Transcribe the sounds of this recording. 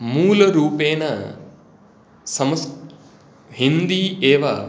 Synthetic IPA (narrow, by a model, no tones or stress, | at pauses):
muːlɐɾuːpeːnɐ | sɐmɐs | ɦind̪iːeːʋaː